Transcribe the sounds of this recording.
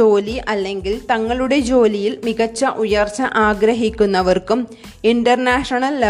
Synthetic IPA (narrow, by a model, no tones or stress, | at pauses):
o̞ːliʔɐlːe̞ŋɡilt̪ɐŋːɐɭuɽe̞d͡ʑo̞ːlijilmiɣɐt͡ɕːɐʔujɐrt͡ɕːɐʔaːɡɾɐɦikʲːunːɐʋɐrkum | iɳɖɐrnaːʂɐɳɐlːɐ